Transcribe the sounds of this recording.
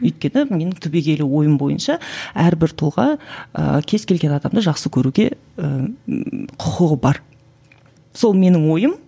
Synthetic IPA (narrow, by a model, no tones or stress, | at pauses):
ʏjt̪̚kʲe̞nɪme̞nɪŋt̪ʰɵbe̞ɡʲe̞lɪwo̞jəmbo̞jə̰nʃɑæɾbɪɾt̪ʰʊlˠʁɑə̰kʲʰe̞z̥kʲʰe̞lɡʲe̞nɑd̪ɑmd̪əʒɑqsəkʲʰɵɾuɡʲe̞̰ | ə | qʰʊqʰəʁəbɑɾ | so̞lˠme̞nɪŋwo̞jəm